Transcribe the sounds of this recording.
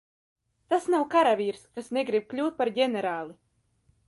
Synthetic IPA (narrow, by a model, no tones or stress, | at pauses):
t̪asnawkaɾavʲiːɾskasnɛɡɾib̥̚klʲuːt̪̚paɾɟʲɛnɛɾaːlˠi